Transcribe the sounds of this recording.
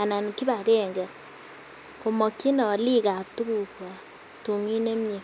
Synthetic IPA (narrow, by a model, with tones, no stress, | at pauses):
a˨na˨nki˦ba˨kɛ˦˨ŋɡɛ˨ | ko˨mɔ˨kːi˦nɔ˨li˦ka˨p̚tu˦ku˨kwa˨ | tu˨mi˦ne˦mɲe˨